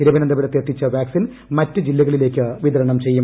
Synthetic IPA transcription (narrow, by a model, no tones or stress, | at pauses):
iɾɐbɐnɐnd̪ɐbɐɾɐt̪ːjet̪ːit͡ɕːɐʋjaːksin | mɐtːɨd͡ʑilːɐɣɐɭile̞ːkːɨʋiðɐɾɐɳɐmt͡ɕe̞jːum